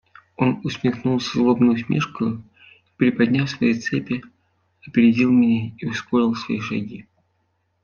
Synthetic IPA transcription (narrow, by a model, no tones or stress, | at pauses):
o̞nʊsmʲɪxnulˠsʲəzlˠo̞bnʊjʊs̬ʲmʲeʂkʊjʊ | i̥pɾʲɪpɐd̪ʲnʲafsvɐjejt̪sɛpʲɪ | ɐpʲɪɾʲɪdʲilˠmʲɪnʲeiʊsko̞ɾʲɪlˠsvɐ̰iʂɐ̰ɡʲi